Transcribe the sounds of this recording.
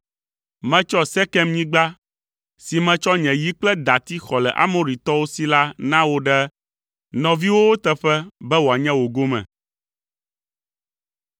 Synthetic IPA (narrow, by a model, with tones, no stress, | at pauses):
mɛ̃˨t͡ʃɔ˦sɛ˦kɛ˦mɲĩ˦ɡ͡ba˦ | si˨mɛ̃˨t͡ʃɔ˦ɲɛ̃˨ji˦k͡plɛ˦d̪a˨t̪i˦xɔ˨lɛ˨ʔa̰˦mõ˨ɾi˨t̪ɔ˦wo˦si˦la˦nã˦wo˦ɖɛ˦ | nɔ̃˨vi˦wo˦wo˦t̪ɛ˦ɸɛ˦bɛ˦wo˨a˨ɲɛ̃˦wo˨ɡo˦mɛ̰̃˨